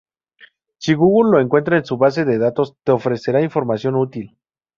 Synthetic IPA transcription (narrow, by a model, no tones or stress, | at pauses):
siɣuɣulːo̞e̞ŋkwe̞nt̪̬ɾaensuβas̬e̞ðe̞ðat̪o̞st̪e̞ofɾe̞se̞ɾaiɱfo̞ɾmasjo̞nut̪il